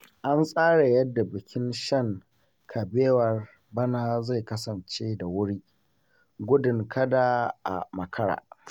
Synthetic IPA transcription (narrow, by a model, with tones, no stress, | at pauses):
ʔa˦nsʼaː˦ɽe˨jɐ˦dːa˨bɪ˨kʲɪ˦nʃɐ˦˨ŋ | kʰa˨beː˦wɐ˨r | bɐ˦na˦za˦˨jkɐ˦sɐ˨nt͡ʃeː˦da˨wʊ˦ɽiː˦ | ɡʷʊ˦dɪ˨ŋkʰɐ˦da˨ʔa̰˨mɐ˨kʰɐ˦ɽa̰ː˨